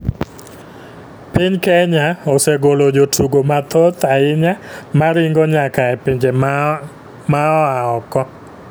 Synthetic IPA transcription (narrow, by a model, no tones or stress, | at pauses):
piɲkɛɲaoseɡolod͡ʒotʰuɡomat̪ot̪aɪɲamaɾɪŋɡɔɲakaɛpiɲd͡ʒe | maɔaɔkɔ